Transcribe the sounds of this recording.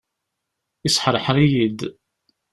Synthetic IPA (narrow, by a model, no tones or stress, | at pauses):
isħəɾˤəħɾˤijid̪